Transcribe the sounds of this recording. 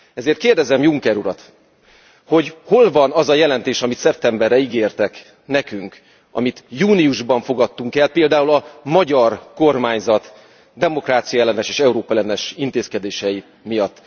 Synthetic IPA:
ɛzeːrt̪keːrd̪ɛzɛmjuŋkɛɾuɾɒt̪ | ho̞ɟho̞lvɒnɒzɒjɛlɛnt̪eːʃɒmit̪sɛp̚t̪ɛmbɛrːɛiɡeːrt̪ɛk | nɛkyŋk | ɒ̰mit̪juːnijuʒbɒɱfo̞ɡɒt̪ːuŋkɛlpeːld̪aːulɒmɒɟɒrko̞rmaːɲzɒt̪ | d̪ɛmo̞kraːt̪sijɒɛlːɛnɛʃeːʃɛuɾoːpɛlɛnɛʃint̪eːskɛd̪eːʃɛji | mijɒt̪ː

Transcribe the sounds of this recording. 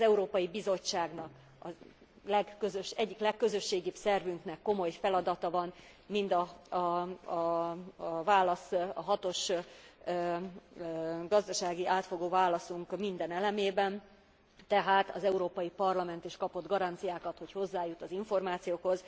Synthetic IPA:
zɛuɾoːpɒjibizo̞t͡ʃːaːɡnɒk | ɒ | lɛɡːøzøʃɛɟːiklɛkːø̞zø̞ʃːeːɡibsɛrvyŋknɛkːo̞mo̞jfɛlɒd̪ɒt̪ɒvɒn | mind̪ɒ | vaːlɒsɒɦɒt̪o̞ʃ | ɡɒzd̪ɒʃaːɡiʔaːt̪fo̞ɡoːvaːlɒsuŋkmind̪ɛnɛlɛmeːbɛn | t̪ɛɦaːt̪ɒ̰zɛuɾoːpɒjipɒrlɒmɛn̪t̪iʃkɒpo̞d̪ɡɒɾɒnt̪sijaːkɒt̪ho̞cho̞zːaːjut̪ɒziɱfo̞rmaːt̪sijoːkho̞z

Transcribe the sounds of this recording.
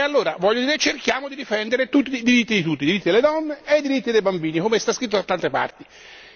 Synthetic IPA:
ealːoːɾavɔʎːod̪iːɾet͡ʃːerkjaːmod̪id̪ifɛnd̪eɾet̪ut̪ːiːd̪iɾit̪ːid̪it̪ut̪ːid̪iɾit̪ːid̪eled̪ɔnːeejd̪iɾit̪ːid̪ejbambiːnikomest̪askɾit̪ːod̪at̪ːant̪epa̰rt̪i

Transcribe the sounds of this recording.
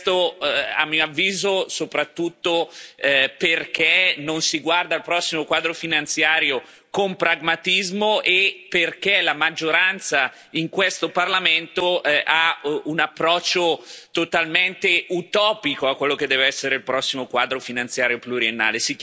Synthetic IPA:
t̪oa̰mːioavːiːzosopɾat̪ːut̪ːo | perk̟enonsiɡward̪aːlpɾɔsːimokwaːd̪ɾofinant̪sjaːɾjo | kompɾaɡmat̪izmoʔepːerkelamad͡ʒːoɾant̪sa | iŋkwest̪oparlament̪oaunapːɾɔt͡ʃːot̪ot̪alment̪eut̪ɔːpikoakːwelːoked̪ːɛːveɛsːeɾeilpɾɔsːimokwaːd̪ɾofinant̪sjaːɾjopluɾienːa̰ːlesi

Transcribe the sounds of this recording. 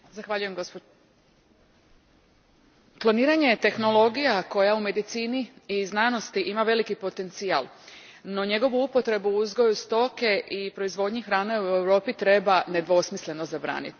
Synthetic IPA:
zaxʋaʎuje̞mɡop | klˠoniːɾaɲe̞t̪e̞xno̞lˠo̞ɡijako̞jaume̞d̪it̪siːniiznaːno̞st̪iʔimaʋe̞likipo̞t̪e̞nt̪sia̰lˠ | no̞ɲe̞ɡo̞ʋuupo̞t̪ɾe̞buuzɡo̞just̪o̞ke̞ʔipɾo̞izʋo̞d̪ɲixɾaːneue̞wɾo̞ːpit̪ɾe̞bane̞d̪ʋo̞smisle̞no̞zabɾa̰ːnḭt̪

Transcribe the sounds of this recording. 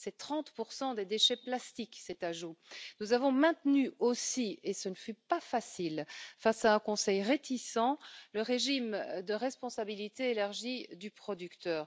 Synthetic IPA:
sɛt̪χɑ̃t̪puʁsɑ̃d̪ed̪eʃɛplast̪iksɛt̪aʒunuzavɔ̃mɛ̃t̪nyosiesənəfypafasilfasaɛ̃kɔ̃sɛjʁet̪isɑ̃ləʁeʒimd̪əʁɛspɔ̃sabilit̪eːlaʁʒid̪ypχɔd̪ykt̪œːʁ

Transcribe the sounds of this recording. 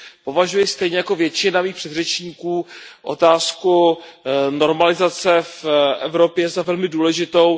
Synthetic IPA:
po̞vaʒujɪst̪ɛjɲɛjako̞vjɛt͡ʃɪnamiːxpr̝̥ɛd̪r̝ɛt͡ʃɲiːkuːʔo̞̰t̪aːsku | no̞ɾmalɪzat͡sɛfʔɛvɾo̞pjɛzavɛlmɪduːlɛʒɪt̪o̞w

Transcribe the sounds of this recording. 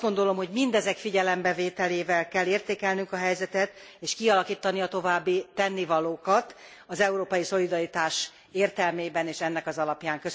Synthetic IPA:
ɡo̞nd̪o̞lo̞mho̞ɟmind̪ɛzɛkfiɟɛlɛmbɛveːt̪ɛleːvɛlkɛlːeːrt̪eːkɛlnyŋkɒɦɛjzɛt̪ɛt̪eːʃkiɒlɒkiːt̪ːɒniɒt̪o̞vaːbːit̪ɛnːivɒloːkɒt̪ | ɒzɛuɾoːpɒjiso̞lid̪ɒɾit̪aːʃ | eːrt̪ɛlmeːbɛneːʃɛnːɛkɒzɒlɒpjaːŋkø

